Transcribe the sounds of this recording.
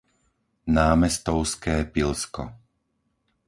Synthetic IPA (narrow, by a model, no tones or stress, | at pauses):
naːmɛst̪ɔʊskɛːpilskɔ̰